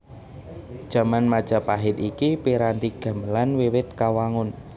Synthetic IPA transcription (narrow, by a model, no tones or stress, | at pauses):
d̥ʒ̥ä̤manmad̥ʒ̥a̤paɦɪt̪ikipiɾant̪iɡ̥a̤məlanwewɪt̪̚kawaŋʊn